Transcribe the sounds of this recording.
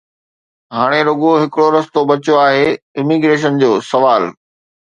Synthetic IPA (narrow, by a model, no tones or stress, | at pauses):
ɦaːɽ̃eɾoɡoɦɪkɪɽoɾɐst̪obɐt͡ɕoaːɦe | ɪmiɡɾeːʃ̬ənd͡ʑoːsɐʋaːl